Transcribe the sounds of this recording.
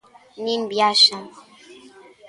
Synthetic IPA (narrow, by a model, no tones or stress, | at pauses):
nim̩bjaʃaŋ